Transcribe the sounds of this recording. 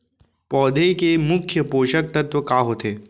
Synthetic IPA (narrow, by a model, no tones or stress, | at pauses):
pɔːd̪ʱekemʊkʰjəpoːʃək̚t̪ɐt̪ʋəkaːɦoːt̪eː